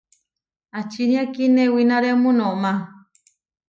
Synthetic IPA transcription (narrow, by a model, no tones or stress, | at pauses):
at͡ʃiniakinewinaɾemũnomã